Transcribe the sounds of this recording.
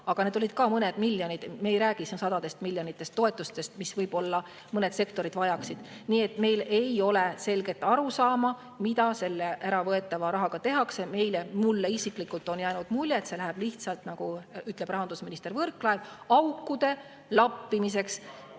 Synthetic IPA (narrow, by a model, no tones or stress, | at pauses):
ɑɡ̥ɑne̞d̪o̞lid̪̥̚kɑːmɤne̞d̪̥milʲːjo̞nid̪mejɾæːɡ̥issɑd̪̥ɑd̪e̞st̪milʲːjo̞nit̪ːˑe̞st̪ːo̞e̞t̪ːˑust̪e̞st̪misvɤjb̥o̞lːɑ | mɤne̞d̪se̞kt̪o̞ɾid̪vɑjɑksid̥̪niːe̞t̪ːˑme̞jle̞jo̞le̞se̞lɡ̥e̞t̪ːˑɑɾusɑːmɑ | mid̪ɑse̞lːeʔæɾɑvɤe̞t̪ːˑɑvɑɾɑɦɑɡ̥ɑt̪e̞ɦɑkse̞me̞jlemulːeisiklikːult̪ːˑo̞njæːnud̪̥mulʲjet̪se̞læɦæb̥liht̪sɑlt̪nɑɡ̥uyt̪ˑle̞b̥rɑɦɑnd̪usminist̪e̞ɾvɤrkːˑlɑevɑukːud̪e̞ | lɑpːimis̬e̞ks